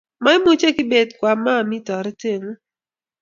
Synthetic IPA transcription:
ma˦ɪ˦mu˦t͡ʃe˦kɪ˦be˨dkwa˨ma˦˨mɪ˦tɔ˨ɾɛ˦te˦ŋo˦

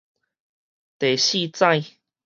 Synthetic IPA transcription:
t̪e˨˩ɕi˥˧t͡sã˥˧j

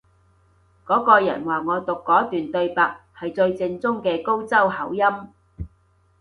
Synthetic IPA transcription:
kɔː˨˥kɔː˧jɐ̰˨˩nwaː˨˩ŋɔː˨˧t̪ʊ˨kːɔː˨˥t̪yː˨nt̪ɵ˧ɥpaː˨k̚hɐ˨jt͡sɵ˧ɥt͡sɪ˧ŋt͡sʊ˥ŋkɛː˧ko˥wt͡sɐ˥whɐ˨˥wjɐ˥m

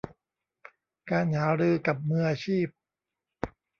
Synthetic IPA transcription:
kaː˧nhaː˩˦ɾɯː˧ka˨˩p̚mɯː˧ʔaː˧t͡ɕʰiː˥˩p̚

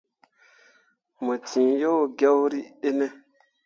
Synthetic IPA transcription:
mə˨tʰĩ˨jo˦wɡɛ˦wɾi˦e˦nɛ˦

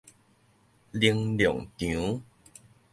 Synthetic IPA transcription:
li˧əŋljɔ˨˩ŋt̪ũ˨˦

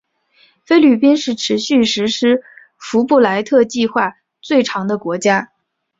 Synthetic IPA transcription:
fe˥ɪly˥˨˩pi˥nʂɻ̩˥˩ʈ͡ʂʰɻ̩˧˥ɕy˥˩ʂɻ̩˧˥ʂɻ̩˥ | fu˧˥pu˥˩la˧˥ɪt̪ʰɤ˥˧t͡ɕi˥˧xwa˥˩ | t͡swe˥˩ɪʈ͡ʂʰɑ˧˥ŋd̪ə˧kwɔ˧˥t͡ɕja˥

